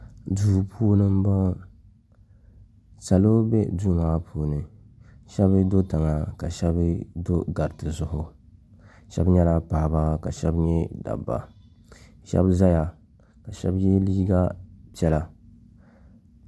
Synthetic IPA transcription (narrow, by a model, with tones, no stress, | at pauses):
duː˨pʰuː˦nɨ˦m˦ba˦ | sa˨lo˦bɛ˦du˦maː˦pʰuː˨nɨ˨ | ʃɛ˦bɨ˦do˦ta˨ŋa˨ka˨ʃɛ˦bdo˦ɡa˨ɾtɨ˨zʊ˦ɦʊ˨ | ʃɛ̰˦bɲɛ˦la˦pa˨hba˦ka˨ʃɛ˦bɲɛ˦da̰˨bːa̰˨ | ʃɛ̰˦bza˦ja˨ | ka˨ʃɛ̰˦bjɛ˦liː˦ɡa˦pɛ˦la˨